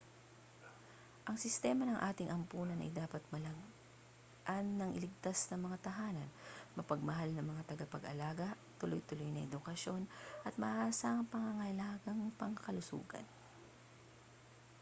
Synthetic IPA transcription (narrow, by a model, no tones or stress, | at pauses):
ʔɐŋsɪst̪ɛːmɐnɐŋʔaːt̪ɪŋʔɐmpuːnɐnʔɐ̰jd̪aːpɐt̪̚mɐlɐɡ | ʔanːɐŋʔɪlɪɡ̚t̪asnɐŋmɐŋat̪ɐɦaːnɐnmɐpɐɡ̚mɐɦalnɐŋmɐŋat̪ɐɡapɐɡɐ̰laːɡɐ | t̪ʊlojt̪ʊlojnɐʔɛd̪ʊkɐʃo̞nʔɐt̪̚mɐʔaːsaŋpɐŋɐŋɐlaːɡɐŋpɐŋkɐlʊsṵːɡɐ̰n